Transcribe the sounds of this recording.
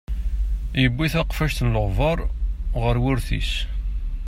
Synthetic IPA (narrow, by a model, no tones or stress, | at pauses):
jəbːiθæqfæʃt̪nləʁvɑɾˤʁəɾwʊɾθḭs